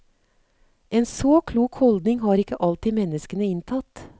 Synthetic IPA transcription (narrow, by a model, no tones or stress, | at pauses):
ʔeːnsoːkʰluːkhɔld̪nɪŋhɑːɾɪkəʔɑlt̪iːmɛnəskənəɪnt̪ʰɑt̪